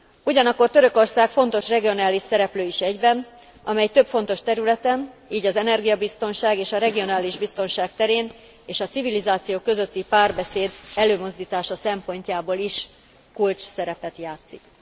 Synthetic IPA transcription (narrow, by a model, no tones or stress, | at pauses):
uɟɒnɒkːo̞rt̪øɾø̞ko̞rsaːkfo̞nt̪o̞ʃrɛɡio̞naːliʃsɛɾɛpløːiʃɛɟbɛn | ɒmɛjt̪ø̞pfo̞nt̪o̞ʃt̪ɛɾylɛt̪ɛniːɟɒzɛnɛrɡijɒbist̪o̞nʃaːɡeːʃɒɾɛɡio̞naːliʒbist̪o̞nʃaːk̚t̪ɛɾeːn | eːʃɒt̪sivilizaːt̪sijoːkø̞zøt̪ːipaːrbɛseːd̪ɛløːmo̞zd̪iːt̪aːʃɒsɛmpo̞ɲcaːboːliʃ | kult͡ʃsɛɾɛpɛt̪jaːt̪sik